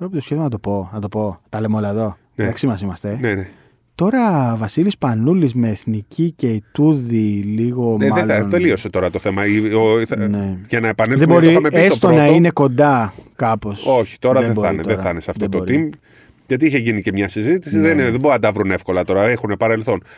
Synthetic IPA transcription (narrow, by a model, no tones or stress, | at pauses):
ɾopt̪osçeθonɐt̪o̞po̞nɐt̪o̞po̞t̪ɐlemolɐðo̞ | neɐksimɐsimɐst̪e̞nene | t̪o̞ɾɐvɐsilispɐnulizmeːθnicice̞it̪uðiliɣo̞mnemɐelɐnt̪elio̞set̪o̞ɾɐt̪o̞θe̞mɐineʝɐnɐepɐneðebo̞ɾiomeessot̪onɐine̞ko̞nd̪ɐkɐpo̞so̞çi̥t̪o̞ɾɐðeboɐnetðeθɐnesɐft̪ot̪oɾim | ʝɐt̪̬iiçe̞ʝinice̞mɲɐsizit̪isiðenðeboɾɐnd̪ɐvɾune̞fko̞lɐt̪o̞ɾɐexunepɐɾelθo̞n